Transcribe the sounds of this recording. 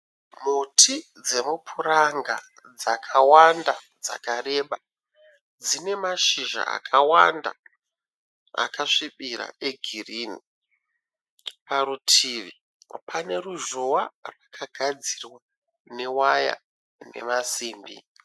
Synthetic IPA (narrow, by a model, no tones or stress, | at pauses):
mutʰi | d͡ze̞mupʰuɾaŋɡa | d͡zakʰawanda | d͡za̰kare̞ɓa | d͡zine̞maʃiʒa̰a̰kʰawa̰nda̰ | a̰kaʂiɓiɾa̰e̞ɡʱiriːni | paɾutʰiːʋi | pʰane̞ruʒowarwakʰaɡʱad͡zirwa | ne̞waja̰ | ne̞̰masiːmbḭ